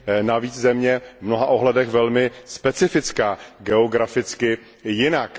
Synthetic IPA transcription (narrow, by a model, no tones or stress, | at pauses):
naviːt͡szɛmɲɛvmno̞ɦaʔo̞ɦlɛdɛxvɛlmɪspɛt͡sɪfɪt͡skaːɡɛoɡɾafɪt͡skɪ | jɪnak